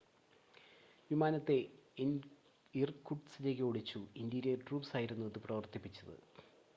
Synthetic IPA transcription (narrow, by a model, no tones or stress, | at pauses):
ʋimaːnɐt̪ːe̞in | irkːuʈsile̞ːk̬ːeoɽit͡ɕːuind̪iɾɐʈruːpsaːjiɾunːuɐðɨprɐʋɐrt̪ipːit͡ɕːɐðɨ̰